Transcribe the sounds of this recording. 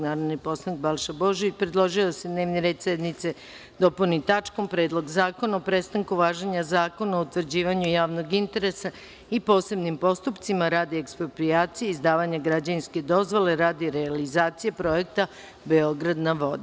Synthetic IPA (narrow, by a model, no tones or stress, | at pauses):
naːɾod̪nipo̞slˠanik̚balʃabo̞ʒiipɾed̪lˠo̞ʒiose̞d̪ne̞ːʋniɾed̪sɛd̪nit̪se | d̪o̞punit̪at͡ʂko̞mpɾed̪lˠo̞ɡzaːko̞naopɾe̞st̪aŋkuʋaːʒeɲazaːko̞naout̪ʋr̩d͡ʑiːʋaɲujaːʋno̞ɡint̪e̞ɾe̞sa | ipo̞ːse̞bnimpo̞st̪upt̪simaɾaːd̪iekspɾopɾiaːt̪sijeizd̪aːʋaɲaɡɾad͡ʑainske̞d̪o̞zʋo̞le̞ɾaːd̪iɾealizaːt̪sijepɾo̞je̞k̚t̪a | be̞o̞ɡɾad̪naʋo̞d̪